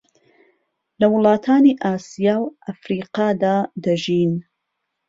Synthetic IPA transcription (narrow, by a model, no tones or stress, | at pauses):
lɐwʊlˠɑːt̪ʰaːniːʔaːsijaːwʔɐfɾiːqɑːd̪aːd̪ɐʒiːn